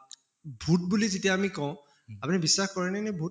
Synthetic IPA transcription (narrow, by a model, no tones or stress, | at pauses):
bʱut̚bulizetijaːmikɔ̃ʊ̃ | apʊnibisːaxkɔɹɛnɛnɛbʱu